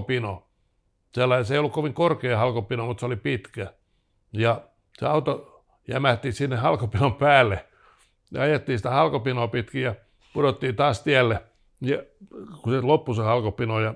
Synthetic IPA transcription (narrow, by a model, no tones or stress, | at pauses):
pino | selːɑiseiolːukoʋiŋkorkeːhɑlkopinoːmut̪seolipit̪kæ | jɑ | sḛɑut̪o | jæmæt̪ːiːsinːehɑlkopinompæːlːe | jɑ̰ɑjet̪ːiːsĭ̥t̪æhɑlkopinoːpit̪kiːjɑ | pudot̪ːiːnt̪ɑːst̪iælːe | jɑkuselopːusehɑlkopinojɑ